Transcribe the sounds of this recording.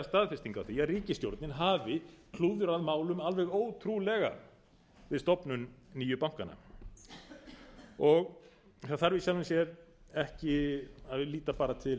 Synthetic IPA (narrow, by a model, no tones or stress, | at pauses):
ast̪aːðfɪst̪iŋkawθiaðriːcɪst̪jowɾt̪nɪnɦaːvɪkʰluːðʏɾaðmaːwlʏmalvɛɣoːwt̪ʰɾulɛɣa̰ | vɪðst̪ɔpnʏnniːjʏpawŋ̥kana̰ | ɔɣ | θaðθaɾvɪsjɛlvansjɛɾɛhcɪaðvɪliːt̪apaːɾat̪ʰɪl